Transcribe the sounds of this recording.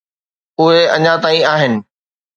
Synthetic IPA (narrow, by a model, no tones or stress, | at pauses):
ʊɦeɐɲãt̪aːĩaːɦɪnɪ̆